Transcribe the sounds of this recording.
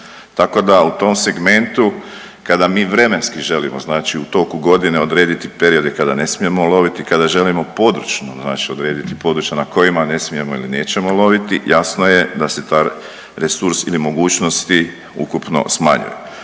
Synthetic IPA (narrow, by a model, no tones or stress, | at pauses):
t̪ako̞d̪aut̪o̞mse̞ɡme̞nt̪u | kad̪amiːʋɾe̞me̞nskiʒe̞limoznaːt͡ʃiut̪o̞kuɡo̞d̪ine̞o̞d̪ɾeːd̪it̪ipe̞ɾio̞d̪ekad̪ane̞smije̞molo̞ʋit̪ikad̪aʒe̞limo̞po̞d̪ɾut͡ʃnozna̰ːt͡ʃio̞d̪ɾe̞ːd̪it̪ipo̞d̪ɾut͡ʃjanako̞jimane̞smije̞mo̞ḭlineːt͡ɕe̞molˠo̞ʋit̪ijasno̞je̞d̪ase̞t̪a | ɾesuɾsilimo̞ɡuːt͡ʃno̞st̪i | ṵkupno̞̰sma̰ɲṵjḛ